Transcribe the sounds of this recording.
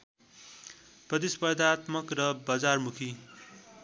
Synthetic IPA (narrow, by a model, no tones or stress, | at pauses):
prʌt̪̬ispʌrd̪ʱat̪mʌkrʌbʌd͡zarmukʰi